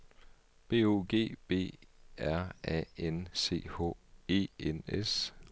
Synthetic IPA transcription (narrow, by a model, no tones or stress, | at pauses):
b̥e̝̰ːo̝̰ːɡ̥e̝̰ːb̥e̝̰ːæɐ̰ɛ̰ense̝̰ːhɔ̰e̝̰ːenes